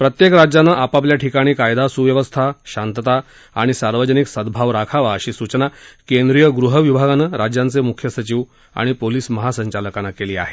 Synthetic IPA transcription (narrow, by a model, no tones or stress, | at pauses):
pɾət̪jekɾad͡ʑjanːaʔapapljaʈʰikaɽ̃iːkajd̪asuʋjəʋəst̪ʰaɕant̪ət̪a | a̰ɽ̃isaɾʋəd͡ʑəniksəd̪bʱaʋɾakʰaʋaəɕiːsut͡ɕənakend̪ɾijəɡɾuɦəʋibʱaɡanːaɾad͡ʑjant͡semukʰjəsət͡ɕiːʋ | a̰ɽ̃ipoliːsməɦasəɲt͡ɕaləkanːakeliːa̰ɦe